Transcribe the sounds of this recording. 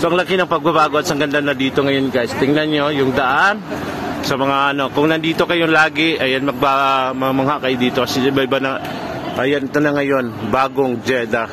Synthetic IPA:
soʔɐŋlɐkinɐŋpɐɡ̚bɐbaːɡoɐt̪sɐŋɡɐnd̪anːɐd̪iːt̪o̞ŋɐjo̞nɡaɪst̪ɪŋnanɲojʊŋd̪ɐʔan | sɐmɐŋaʔɐno̞kʊŋnɐnd̪iːt̪o̞kɐjolaːɡɪʔɐjanmɐɡ̚bamɐmɐŋaʔkajd̪iːt̪okɐsɛɪbaɪbanɐ | ʔɐjanɪt̪onɐŋɐjo̞nbaːɡoŋd͡ʒɛd̪a

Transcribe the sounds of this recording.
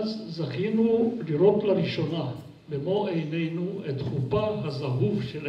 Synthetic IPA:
zzaχinuliɾo̞tlaɾiʃo̞na | bemoejnejnuet̪χupaɦazaɦuvʃel

